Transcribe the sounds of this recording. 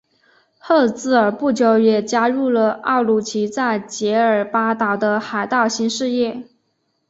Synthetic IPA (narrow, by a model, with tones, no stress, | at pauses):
xɤ˥˧t͡sɹ̩˥˩ə˞˨˩pu˥˩t͡ɕjo˧˥ʊjɛ˨˩t͡ɕja˥ɻu˥˩lə˩ɑ̰˥˩ʊlu˧˥t͡ɕʰi˧˥t͡sa˥˩ɪt͡ɕjɛ˧˥ə˞˨˩pa˥t̪ɑ˨˩ʊd̪ə˧xa˨˩ɪt̪ɑ˥˩ʊɕi˥nʂɻ̩˥˧jɛ˥˩